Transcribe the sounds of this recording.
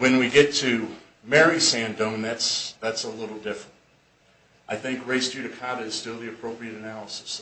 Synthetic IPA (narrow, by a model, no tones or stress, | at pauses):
wɨ̃nwiɡɛtʰɨ | mɛɹisæ̃ndõʊ̃mðætsðætsəlɪɾl̩ˠdɪfɹə̃nt̚ | ʔaɪθɪ̃ŋkɹeɪsd̥ʉɾɨkʰɑɾɨɨz̥stɪlˠðiɨpʰɹ̥oʊpɹiɨɾɨnælˠəsɨs